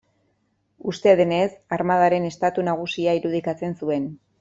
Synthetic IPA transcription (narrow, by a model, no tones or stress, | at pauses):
ust̪eðene̞saɾmaðaɾe̞ne̞st̪at̪unaɣ̞usiaiɾuð̞ikat͡se̞nsue̞n